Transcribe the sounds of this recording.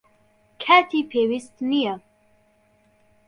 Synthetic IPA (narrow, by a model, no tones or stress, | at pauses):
kʰæt̪ʰiːpʰeːwist̪nijɛ